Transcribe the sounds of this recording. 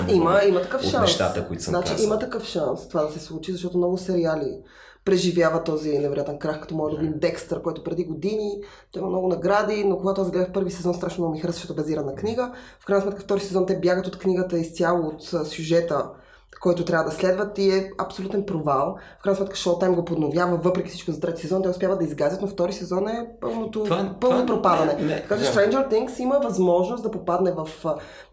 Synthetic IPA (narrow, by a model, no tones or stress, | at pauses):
iməimɐt̪ɐkɤfʃansʃt̪a̰t̪əko̰it̪snat͡ʃḭimət̪ɐkɤəfʃanst̪ovad̪ɐsɛslˠut͡ʃizɐʃt̪ɔt̪omnɔɡʊsɛɾiali | pɾɛʒivʲjavət̪ɔzinɛvɛɾojat̪ɛnkɾaxkɐ̥t̪ɔmɔjd̪ʊbimd̪ɛkst̪əɾkɔjt̪ʊpɾɛd̪iɡod̪ini | t̪ɔimɐmnɔɡʊnɐɡɾad̪inokoɡat̪oazɡlɛd̪əfpɤɾvisɛzɔnst̪ɾaʃnomɔmixɾɛzɐʃtɔt̪ʊbɐziɾənɐkniɡəfkɾajnsmɛt̪kəft̪ɔɾisɛzɔnt̪ɛbjaɡət̪ot̪kniɡət̪əist̪ʲjalˠoːt̪ːsʲjuʒɛt̪ə | kɔjt̪ʊt̪ɾʲavəd̪ɐslɛd̪vət̪iɛɐ̰psolut̪ɛnpɾovalˠfkajnsmɛt̪̚kə̥ʃɔt̪ːajmɡopod̪novjavəvɤpɾɛkʲi̥fsit͡ʃkozɐt̪ɾɛt̪i̥sɛzɔnt̪ɛʊspjavəd̪ɐizɡazjət̪noft̪ɔɾisɛzɔnɛpɤlˠnot̪opɤlˠnopɾopad̪ɐnɛt̪ɐkat͡ʃɛst̪ɾɛjnd͡ʒəɾt̪iŋksiməvɐzmɔʒnost̪d̪ɐpopad̪nɛvɐf